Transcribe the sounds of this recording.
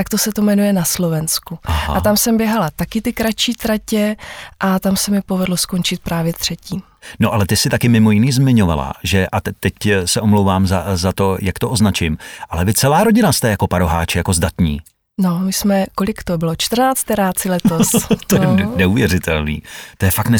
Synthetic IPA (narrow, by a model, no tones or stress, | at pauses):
t̪akt̪osɛt̪omɛnujɛnaslo̞vɛnskua̰aamsɛmbjɛɦalat̪akɪt̪ɪkɾat͡ʃiːt̪ɾacɛʔat̪amsɛmɪpo̞vɛdlosko̞nt͡ʃɪt̪̚pɾaːvjɛt̪r̥ɛciː | noʔalɛt̪ɪsɪt̪akɪmɪmojɪniːzmɪɲo̞va̰la̰ʒɛʔat̪ɛcsɛʔo̞mlowvaːmzazat̪o̞jakt̪o̞ʔoznat͡ʃɪmʔalɛvɪt͡sɛlaːɾo̞ɟɪnast̪ɛjako̞paɾo̞ɦa̰ːt͡ʃɛjako̞zdat̪ɲḭː | nomɪsmɛkolɪkt̪obɪlot͡ʃt̪r̩naːt͡st̪ɛɾaːt͡sɪlɛt̪ost̪ojɛnɛuvjɛrɪt̪ɛlnḭːt̪ojɛfakt̪nɛ